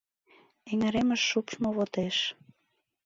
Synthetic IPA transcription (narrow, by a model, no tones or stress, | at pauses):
eŋĕɾemə̆ʃːupʃmoβot̪eʃ